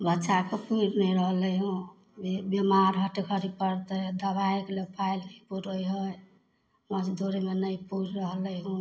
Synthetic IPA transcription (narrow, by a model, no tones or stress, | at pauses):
bətːʃakepuɾnəɾəɦləɦũ | bebemaɾɦəʈekʰəɾipəɾt̪əd̪əbaekelepʰailkʰipuɾəjɦəj | məd͡ʒd̪ʱoɾemenəjpuɾɾəɦləɦũ